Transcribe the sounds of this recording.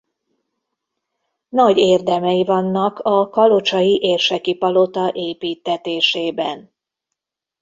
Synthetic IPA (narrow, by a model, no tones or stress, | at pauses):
nɒɟeːrd̪ɛmɛjivɒnːɒkɒkɒlo̞t͡ʃɒjiʔeːrʃɛkipɒlo̞t̪ɒʔeːpiːt̪ːɛt̪eːʃeːbɛn